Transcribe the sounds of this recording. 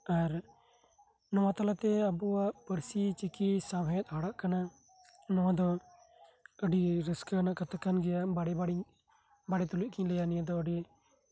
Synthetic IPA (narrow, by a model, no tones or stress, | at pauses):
aɾ | nɔwat̪alat̪ɛəbuwaʔpəɾsit͡ʃikisabʱajɛt̪̚aɽaʔkana | nɔwãd̪ɔ | əɖiɾəskənaʔkət̪akːanɡɛjabaɽɛbaɽi | baɽɛt̪uluʔ̚kʰilɛjanijad̪ɔəɖi